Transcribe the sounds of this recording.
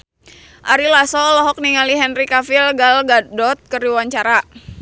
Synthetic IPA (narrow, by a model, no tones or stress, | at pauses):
ʔaɾilasɔlɔɦɔk̚niŋaliɦɛnrikafilɡalɡadɔt̪̚kəɾiwaɲt͡ʃaɾa